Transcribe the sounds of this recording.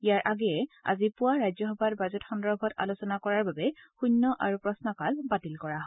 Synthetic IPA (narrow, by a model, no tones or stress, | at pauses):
ijaɹʔaɡɛɛa̰zipʊwaɹajzɔxɔbʱatbazɔtxɔndɔɹbʱɔta̰losɔnakɔɹaɹbabɛxunːɔʔaɹupɹɔsnɔkalbatilkɔɹaɦɔ